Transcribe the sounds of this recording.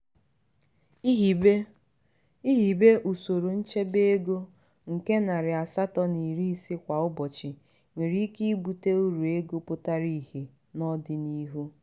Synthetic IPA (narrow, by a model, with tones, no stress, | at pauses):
i˦ɦi˨be˦ʔu˨so˨ɾo˨n̩˦t͡ʃe˦be˦e˦ɡo˦ | ŋ̩˨ke˦na˨ɾɪ˨a˨sa˦tɔ˦ni˨ɾi˦si˦kʷa˨ʊ˦bɔ˨t͡ʃɪ˨ | ŋʷi˨ɾi˦ki˦i˦bu˨te˦u˦ɾu˨e˦ɡo˦pʊ˦ta˦ɾi˦˨hi˨ | nɔ˦dɪ˦ni˦ɦu˦